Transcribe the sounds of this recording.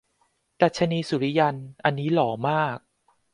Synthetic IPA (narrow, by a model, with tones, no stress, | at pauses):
d̪a˨˩t̪̚t͡ɕʰa˧niː˧su˨˩˦ɾi˦ja˧nʔa˧nːiː˦˥lɔː˩˦maː˥˩k̚